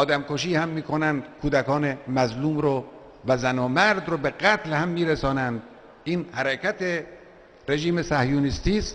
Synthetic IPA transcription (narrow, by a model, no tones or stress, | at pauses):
ʔɒːd̪æmkoʃ̬iːhæmːiːkʰonænd̪kʰuːd̪ækɒːne̞mæzluːmɾo | væzænomæɾd̪ɾobeɡæt̪ʰlhæmːiːɾesɒːnænd̪ | ʔiːnhæɾekʰæt̪ʰe | ɾe̞ʒiːmesæhjuːnist̪iːst̪